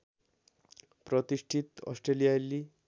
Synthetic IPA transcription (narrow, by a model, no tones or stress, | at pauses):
pɾɔt̪iʂʈʰit̪ɔ̰sʈɾelijajlːi